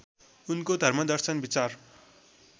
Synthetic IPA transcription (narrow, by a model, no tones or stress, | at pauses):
unkod̪ʱʌrmʌd̪ʌrsʌnbit͡sar